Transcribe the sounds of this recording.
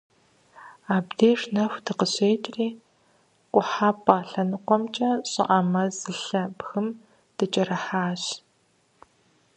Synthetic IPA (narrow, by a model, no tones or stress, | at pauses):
aːbdeːʂnɐxʷdɨqəɕʼeːtʼriː | kʷʼʊħaːpʼaːɬɐnɨqʷɔmt͡ʃʼɐɕʼɪ̰ʔamɐzɨɬɐbxɨm | d̥ɨt͡ʃʼɐɾɐħaːɕ